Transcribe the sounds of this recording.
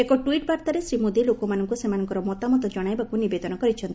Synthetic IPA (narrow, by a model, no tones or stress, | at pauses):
ekɔʈwiʈbaɾt̪aɾesɾimod̪ilokomanɔŋkusemanɔŋkɔɾɔmɔt̪amɔt̪ɔd͡ʒɔɽ̃ajbakunibed̪ɔnɔkɔɾit͡ʃʰɔnt̪i